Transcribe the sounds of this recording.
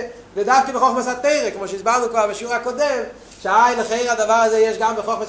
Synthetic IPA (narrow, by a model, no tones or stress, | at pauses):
vidafkəbəχɔχməsateɪʁəkɪmɔʃizbanʊkoabɪʃuːʁəakɔdɛm | ʃaɪnəχeɪʁadavaʁazeɪɛʃɡambəχɔχməs